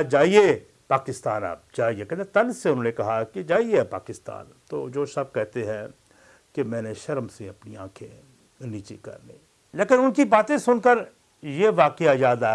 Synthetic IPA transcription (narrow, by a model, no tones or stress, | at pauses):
d͡ʒaːie | paːkɪst̪aːna̰ːp̚d͡ʒaːiekɛ̃et̪ɐlseʊnɦõːnekɐɦaked͡ʒaːiepa̰ːkɪst̪a̰ːnt̪o̰ːd͡ʒoːʃɐb̚kɛɦt̪eɦɛ̃ | kemɛ̃ːneʃɐɾəmseɐpniãːkʰẽ | niːt͡ʃekɐ̰ɾnḛ̃ː | leːkɪnʊnkibaːt̪ẽsʊnkəɾ | jeʋaːqeajaːd̪a